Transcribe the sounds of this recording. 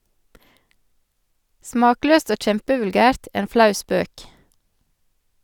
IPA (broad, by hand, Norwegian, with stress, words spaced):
ˈsmɑːˌkløːst ˈoː ˈc͡çɛmpəʋʉlˌɡæːɾt ˈeːn ˈflɑʉ ˈspøːk